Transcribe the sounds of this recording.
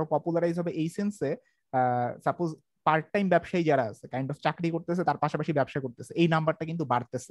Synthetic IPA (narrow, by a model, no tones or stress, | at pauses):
opɔpulaɾajizɦɔbeʔejsense | saɾpoz | paɾʈʈːajmbɛbʃaid͡ʑaɾaə̰t͡ɕʰekajɳɖɔft͡ɕakɾikoɾt̪et͡ɕʰet̪aɾpaʃapaʃibɛbʃakoɾt̪et͡ɕʰeejnambaɾʈakint̪ubaɽt̪et͡ɕʰe